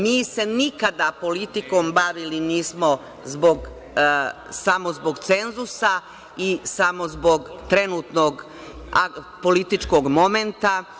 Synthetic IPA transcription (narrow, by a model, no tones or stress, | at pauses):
miːse̞nikad̪apo̞lit̪iko̞ːmbaʋiliniːsmo̞ | zbo̞ɡ | samo̞zbo̞ɡt̪se̞nzusa | isamo̞zbo̞ɡt̪ɾe̞nuːt̪noɡ | a | polit̪it͡ʃkoɡmoment̪a